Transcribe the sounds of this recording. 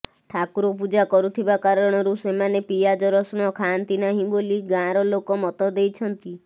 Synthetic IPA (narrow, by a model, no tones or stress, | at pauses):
ʈʰakuɾɔp̬ud͡ʒakɔɾut̪ʰibakaɾɔɽ̃ɔɾusemanepijad͡ʒɔɾɔsuɽ̃ɔkʰant̪inaɦĩboliɡãɾɔlokɔmɔt̪ɔd̪ejt͡ʃʰɔnt̪i